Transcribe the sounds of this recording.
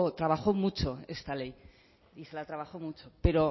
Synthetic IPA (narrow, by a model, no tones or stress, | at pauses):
t̪ɾaβ̞axo̞mut͡ʃo̞e̞st̪ale̞j | ise̞lat̪ɾaβaxo̞mut͡ʃope̞ɾo